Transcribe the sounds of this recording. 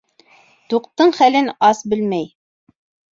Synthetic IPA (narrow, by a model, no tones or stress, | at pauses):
t̪uqt̪ɤɴχælɘnɑsbɘlmæj